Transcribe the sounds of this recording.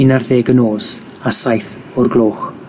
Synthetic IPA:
ɪnarðeːɡənoːs | asajθ | ʊrɡlˠoːχ

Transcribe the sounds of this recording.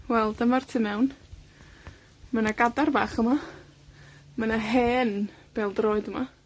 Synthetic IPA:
wɛlˠdəmartʰɨːmɛwn | manaɡadarbaːχəma | manaɦeːn | b̥eːlˠdroːɨdəma

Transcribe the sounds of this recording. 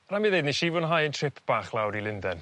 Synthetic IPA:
ɾamiðejdniʃivʊnɦajəntʰr̥ɪpʰb̥aːχlˠawɾilˠɪndɛn

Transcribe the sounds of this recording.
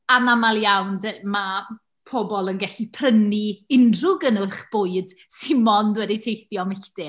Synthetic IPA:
anamalˠjawndma | pʰobɔlˠənɡɛɬipʰrəniɪndrʊɡənəχb̥ʊːɨd̥sɪmmɔndwɛditʰejθjɔmɪɬd̥ɪ

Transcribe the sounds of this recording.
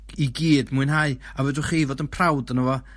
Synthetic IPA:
iɡiːdmuɨnɦaɨ | avədʊχiːvoːdənpʰrawdənəvɔ

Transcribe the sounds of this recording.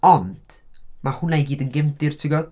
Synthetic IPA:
ɔnd̥mahʊnaɡiːdənɡɪmdɪrtʰɪɡɔd̥

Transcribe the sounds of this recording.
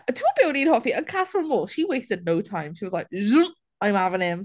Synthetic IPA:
tʰəəbɪlɾid̚hɔfiə̃nkʰasənmoːlˠʃiweɪstɨdⁿnoʊtʰãɪ̃mʃiwʌzlaɪk̚zʉm | ãɪ̃mhavɪ̃ŋɪ̃m

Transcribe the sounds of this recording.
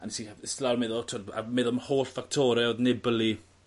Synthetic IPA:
anisistlalmeðɔtʰoda̰meðɔmhoːɬfak̚tʰɔɾɛoðnɪbəli

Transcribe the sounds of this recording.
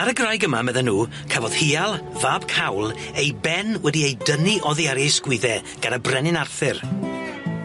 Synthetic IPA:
aɾəɡrajɡəmamɛðɛnːuː | kʰavɔð̥hialˠvaːb̥kʰawlˠ | ejbɛnwɛdiejdəniʔɔðiaɾɪsɡ̥wɪðɛ | ɡ̥anəbrɛnɪnarθɪr

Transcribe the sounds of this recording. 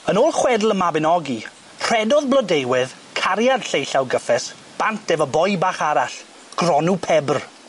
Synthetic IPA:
ənoːlˠχwɛdl̩ˠəmabɪnɔɡi | r̥ɛdɔðblˠɔdejwɪð | kʰaɾjad̥ɬejɬawɡəfɛs | b̥ant̚ʰd̥ɛvɔbɔjbaːχaɾaɬ | ɡ̥rɔnupʰɛbr

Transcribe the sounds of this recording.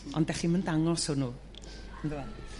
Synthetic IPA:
ɔ̰ndɛχiməndaŋɔsonuː | nduwan

